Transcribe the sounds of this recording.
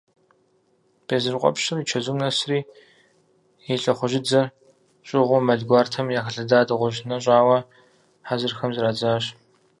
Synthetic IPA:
b̥eːzɨrqʷʼɔ̰pʃɨriːt͡ʃʰɐzumnɐsriː | jeɬʼɐχʷʊʒɪd͡zɐr | ɕʼɪʁʷʊmɐɮɡʷaːrtʰɐmjaːxɐɬɐdaːdɨʁʷʊʒnɐɕʼaːwɐ | ħazɨrxɐmzɨraːd͡zaːɕ

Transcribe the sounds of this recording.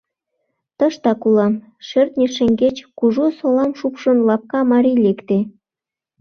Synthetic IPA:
t̪ə̆ʃt̪ɑkulɑm | ʃert̪nʲeʃĕŋʲɡet͡ɕkuʒosolɑmʃupʃə̆nlɑp̚kɑmɑɾʲilekt̪e

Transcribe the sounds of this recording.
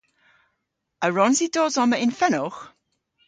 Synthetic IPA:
əɹɔnzidɔːzɔməɪnfɛnɔχ

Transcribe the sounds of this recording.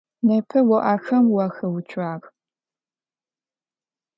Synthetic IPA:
nɐpʰɐwɐʔaːxɐmwɐxɐwʊt͡ʃʷʰʼaːqʼ

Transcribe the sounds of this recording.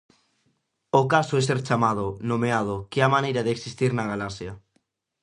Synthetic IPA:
okasoes̬eɾt͡ʃamað̞onomeað̞okeamãnejɾaðeksist̪iɾnaɣ̞alasja

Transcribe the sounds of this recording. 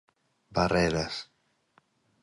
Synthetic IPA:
barɛðas

